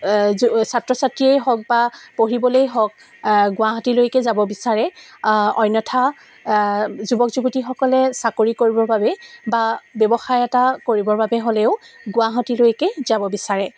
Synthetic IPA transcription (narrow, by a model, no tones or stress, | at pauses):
satɹɔsatɹiejɦɔk̚bapoɹibɔlojɦɔk̚ | ɡʊwaɦɔtilojkɛzabɔbisaɹɛ | ɔjnɔtʰa | zubɔkzubutixɔkɔlɛsakoɹikoɹibɔɹbabɛbabjɔbɔxajɛtakoɹibɔɹbabɛɦolɛʊɡʊwaɦɔtilojkɛzabɔbisaɹɛ